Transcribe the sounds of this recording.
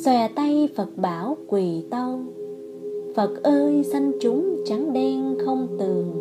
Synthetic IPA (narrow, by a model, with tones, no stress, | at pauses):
swɛ˧˩t̪a˧jfə˨˩t̚ɓaː˧˩wkwi˨˩t̪ə˧w | fə˨˩t̚ʔəː˧jsa˧ŋ̟t͡ɕʊ˨˦ŋ͡mt͡ɕa˨˦ŋɗɛ˧nxə˧wŋ͡mt̪ɨ˨˩əŋ